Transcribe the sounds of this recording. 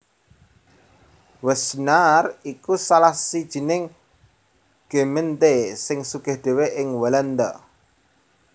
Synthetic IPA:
wəsnarikusalahsid̥ʒ̥i̤nɪŋ | ɡ̥e̤mənt̪esɪŋsuɡ̥ɛ̤hɖ̪̥e̤weʔɪŋwələnd̪ə

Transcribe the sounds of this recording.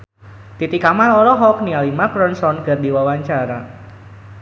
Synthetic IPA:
t̪it̪ikamaɔɾɔɦɔk̚nialimakɾɔnsɔnkərdiwawaɲt͡ʃaɾa

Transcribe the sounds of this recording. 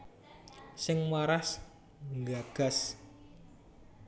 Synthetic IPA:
sɪŋmwaɾas | ŋɡaɡ̥a̤s

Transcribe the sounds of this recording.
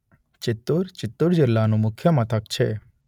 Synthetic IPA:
t͡ʃɪt̪ːuɾt͡ʃɪt̪ːuɾd͡ʒɪlːanũmʊkʰjəmat̪ʰəkt͡ʃʰḛ

